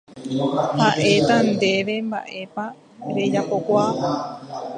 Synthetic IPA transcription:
haʔe̞t̪and̪e̞ʋe̞mba̰ʔe̞pa | ɾe̞d͡ʒapo̞kʷa

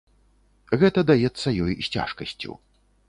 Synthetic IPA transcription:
ɣɛt̪ɐd̪ajɛt̪sːɐjɔjsʲt͡sʲa̰ʂkɐsʲt͡sʲṵ

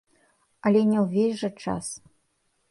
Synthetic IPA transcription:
ɐlʲɛnʲɛwvʲesʲʐɐt͡ʂa̰s

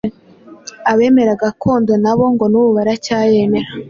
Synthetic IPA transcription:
aβe̞ːme̞ɾaɡakʰo̞ːndonaβo̞ŋɡo̞nuβuβaɾacaːje̞me̞ɾa

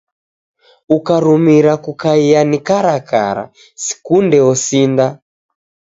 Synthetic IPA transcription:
ukaɾumiɾakukaijanikaɾaka̰ɾa̰ | si̥kundɛɔsinda

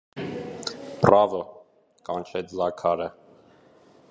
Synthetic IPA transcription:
prɑvɔ | kɑnt͡ʃʰɛt͡sʰlɑkʰɑɾə

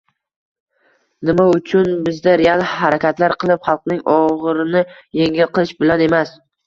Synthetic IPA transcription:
nɪmaʊt͡ʃʰʊnbɪzd̪aɾealˠhaɾakʲʰat̪laɾqʰɨlˠɪpχɑlˠqnɪŋɒʁɨɾɪnɪjeŋɪlqɨlˠɪʃbɪlane̞mas

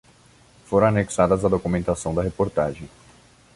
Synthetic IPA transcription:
foɾɐ̃aneksad̪ɐzɐd̪okumẽnt̪asɐ̃w̃d̪ɐɦepoɾt̪aʒẽj̃

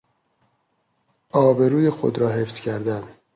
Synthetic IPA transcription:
ʔɒːbe̞ɾuːjexo̰d̪ɾɒːɦefz̥cʰæɾd̪æn

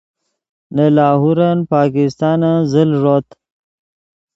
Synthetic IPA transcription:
nəlɑːɦuɾanpɑːkɪst̪ɑːnazəlʐot̪

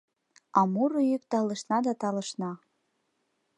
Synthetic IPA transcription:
ɑmuɾojyk̚t̪ɑlə̆ʃnɑd̪ɑt̪ɑlə̆ʃnɑ

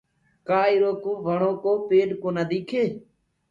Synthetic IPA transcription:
kaːɪɾoːkoːʋəɳõːkoːpeːɖkoːnəd̪iːkʰeː

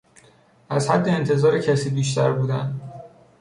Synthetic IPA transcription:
ʔæzhæd̪ːeːnt̪ʰe̞zɒːɾecʰæsiːbiːʃt̪ʰæ̰ɾbuːd̪æ̰nd̪

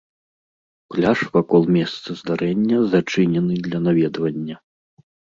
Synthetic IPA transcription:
klʲaʂvakɔlˠmʲɛst̪sɐzd̪aɾɛnʲːɐzat͡ʂɨnʲɛnɨd̪lʲɐnavʲɛd̪vɐnʲːɐ

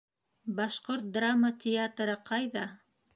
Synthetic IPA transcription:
bɑʃqoɾt̪̚d̪ramːət̪ʲʰɪat̪ɾɤqɑjðɑ

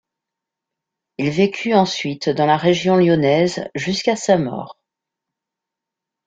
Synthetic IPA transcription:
ilvekʲʰyɑ̃sɥit̪d̪ɑ̃laʁeʒjɔ̃ljɔnɛzʒyskasamɔ̰ːʁ

